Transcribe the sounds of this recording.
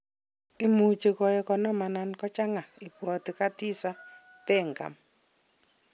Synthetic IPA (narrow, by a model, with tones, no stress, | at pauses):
i˦mu˨t͡ʃe˨kɔ˨jɛ˦kɔ˨nɔ˦ma˨na˨nkɔ˦t͡ʃa˦ŋa˨i˨pwɔ˨ti˨ka˦ti˦sa˦ | pɛ˦˨ŋka̰˨m